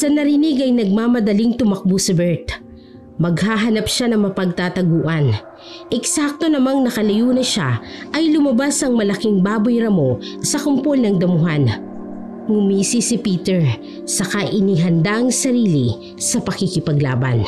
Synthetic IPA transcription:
sɐnɐɾɪniɡɐjnɐɡ̚maːmɐd̪ɐliŋt̪ʊmɐk̚busɪbɛɹt̪ | mɐɡhaːɦɐnapʃanɐŋmɐpɐɡ̚t̪aːt̪ɐɡuːʔɐn | ʔɛksak̚t̪o̞nɐmaŋnɐkɐlɐjuːnɐʃaʔɐjlʊmɐbasɐŋmɐlɐkiŋbaːbojɾɐmo̞sɐkʊmpolnɐŋd̪ɐmʊɦan | hʊmiːsisipiːt̪ɛɹ | sɐkaʔɪniɦɐnd̪aŋsɐɾiːli | sɐpɐkikɪpɐɡla̰ːbɐ̰n

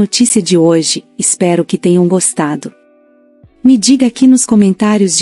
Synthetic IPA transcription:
ot͡ʃisiɐd͡ʒɪoʒɪɪspɛɾʊkɪt̪ẽɲɐ̃w̃ɡost̪ad̪ʊ | mɪd͡ʒiɡɐakinʊskomẽnt̪aɾjʊzd͡ʒ

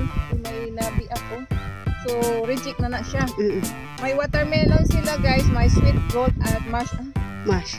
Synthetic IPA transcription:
nunajnabiʔakosoɾid͡ʒɪk̚nanaʔʃa | majwat̪aɾmɛlonsilaɡajsmajsit̪̚ɡot̪̚at̪̚maʃa | maʃ

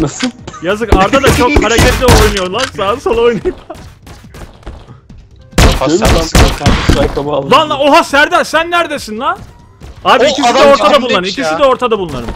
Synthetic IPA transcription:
nasjazɯkaɾd̪ad̪at͡ʃʰo̞khaɾacʰɛlʲiojnujo̞ɾlˠaɾsasolˠo̞jnajɯpa | vanˠaoɦasæɾd̪ɛsænːæɾd̪esinlˠa | aːbiicʰissid̪ɛo̞ɾt̪ʰad̪abulˠnˠaɾɯmicʲʰisid̪ɛo̞ɾt̪ʰad̪abulˠunaɾɯ̰m

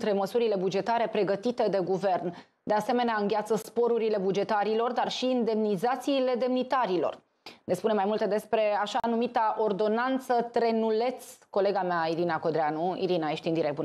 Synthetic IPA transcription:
t̪ɾe̞məsuɾile̞bud͡ʒe̞t̪aɾe̞pɾe̞ɡət̪it̪e̞d̪e̞ɡuve̞rn | d̪ease̞me̞neaɨŋɡʲat̪səspo̞ɾuɾile̞bud͡ʒe̞t̪aɾilo̞rd̪arʃiːnd̪e̞mnizat̪siːle̞d̪e̞mnit̪aɾilo̞̰r | nespunemajmult̪e̞d̪e̞spɾe̞aʃanumit̪aʔo̞rd̪o̞nant̪sət̪ɾe̞nule̞t̪sko̞le̞ɡameaiɾinako̞d̪ɾeanuḭɾinaeʃt̪ind̪iɾek̪̚bun

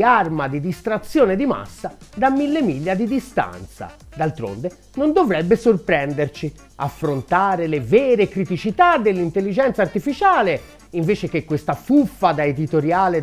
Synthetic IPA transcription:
armad̪id̪ist̪ɾat̪sːjoːned̪ima̰sːad̪amːilːemiʎːad̪id̪ist̪a̰nt̪sa̰ | d̪alt̪ɾo̰nd̪e | nond̪ovɾɛbːesorpɾɛnd̪ert͡ʃi | a̰fːɾont̪aːɾelevɛːɾekɾit̪it͡ʃit̪ad̪ːelːint̪elːid͡ʒɛnt̪sart̪ifit͡ʃaːle | iɱveːt͡ʃek̟ekːwest̪afufːad̪aed̪it̪oɾjaːle

